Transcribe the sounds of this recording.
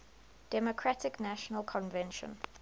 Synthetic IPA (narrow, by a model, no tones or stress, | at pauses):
d̥ɛmokʰɹatɪknaʃənəlˠkʰɔ̃nvɛ̃nʃə̰̃n